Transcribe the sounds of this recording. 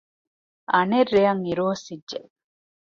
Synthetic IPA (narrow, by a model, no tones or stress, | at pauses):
ʔɐnerːejɐŋiɾuɐsidːeʔ